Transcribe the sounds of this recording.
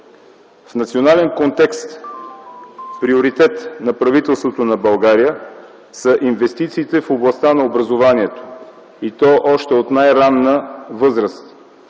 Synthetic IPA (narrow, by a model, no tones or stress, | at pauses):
fnɐt̪sionalɛnkont̪ɛkst̪ | pɾioɾit̪ɛt̪nɐpɾɐvit̪ɛlˠst̪vot̪onɐbɐlˠɡaɾijə | səʔinvɛst̪it̪siːt̪ɛfoblˠɐst̪anɐobɾɐzovaniɛt̪o̥ | it̪ɔʔɔʃt̪ɛot̪najɾannəvɤzɾəst̪